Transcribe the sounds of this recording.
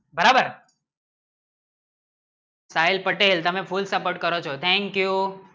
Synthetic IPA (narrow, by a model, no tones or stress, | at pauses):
bəɾaːbəɾ | saːɪlpəʈeːlt̪ɐmẽpʰulsɐpoːɾʈ̚kəɾot͡ʃʰot̪ʰɛ̃ŋkju